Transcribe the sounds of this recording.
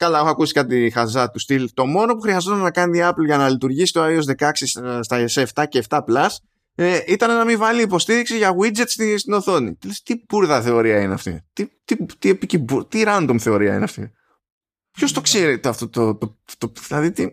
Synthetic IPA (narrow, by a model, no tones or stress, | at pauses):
kɐlɐexoɐkusi̥kɐt̪ixɐzɐt̪ust̪ilt̪o̞mo̞no̞puxɾiɐzot̪ɐnenɐkɐnt̪iɐplʝɐnɐlit̪uɾʝisi̥t̪oɐio̞zðe̞kɐksisst̪ɐeseft̪ɐce̞ːft̪ɐplɐs | eʔit̪ɐnenɐmivɐliːpo̞st̪iɾiksiʝɐɣwid͡zet̪st̪ist̪ino̞θo̞nḭt̪ilest̪ibuɾðɐθe̞o̞ɾiɐineɐ̰ft̪ḭt̪it̪it̪iepicibut̪iɾɐnd̪omθe̞o̞ɾiɐ̰ḭneɐ̰ft̪ḭ | pço̞st̪o̞kseɾit̪eɐft̪o̞t̪ot̪ot̪oðilɐðit̪i